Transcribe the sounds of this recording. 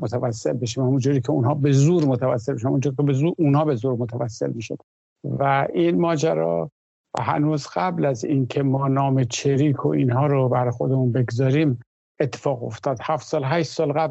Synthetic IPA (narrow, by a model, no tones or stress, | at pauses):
mot̪ʰævæsːe̞lbeʃiːmhæmund͡ʒuːɾiːkʰeunɦɒːbe̞zuːɾmot̪ʰævæ̰sːelbeʃæmæ̰mund͡ʒuːɾikʰebezuunhɒːbe̞zuːɾmot̪ʰævæsːe̞̰lmiːʃod̪ | væʔinmɒːd͡ʒæɾɒ̰ː | hæ̰nuːzɢæblæziːnkʰe̞mɒːnɒːmet͡ʃʰeɾiːkʰo̰ʔiːnɦɒːɾobæɾxo̞d̪emunbe̞ɡzɒːɾiːm | et̪ʰːe̥fɒːɣo̰ft̪ʰɒːd̪̥hæft̪sɒːlɦæʃt̪sɒːlɣæb